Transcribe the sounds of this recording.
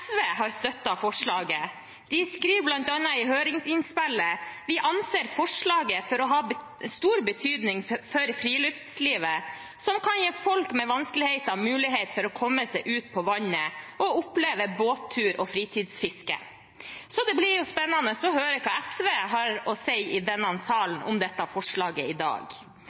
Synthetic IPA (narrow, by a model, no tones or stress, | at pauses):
fʋeːɦɑɾst̪œt̪ːɑfɔʂɭɑːɡə | d̪̥ɪskɾiːʋblɑnt̪ɑnːɑɪɦøːɾɪŋsɪnspɛlːəʋɪʔɑnseːɾfɔʂɭɑːɡəfɔɾɔɦɑːb | st̪uːɾbət̪ʰyːd̪nɪŋfɔɾfɾiːlʉft̪sliːʋə | sɔmkʰɑnjeːfɔlkmɛʋɑnskəlɪhɛɪt̪ɑʋmʉːlɪɦeɪt̪fɔɾɔkʰɔmːəsɛɪʔʉːt̪pʰɔʋɑɲəʔɔʊpleːʋəboːt̪ʰːʉːɾɔfɾiːt̪ʰiːd̪sfɪskə̰ | sɔd̪ɛblɪɾjʊspɛnːɑnəsɔɦøːɾəkʰɑːɛsʋeːɦɑɾɔsɛɪɪd̪ɛnːɑnsɑːln̩ʔʊ̰md̪ɛt̪ːɑfɔʂɭɑːɡəɪd̪ɑ̰ːɡ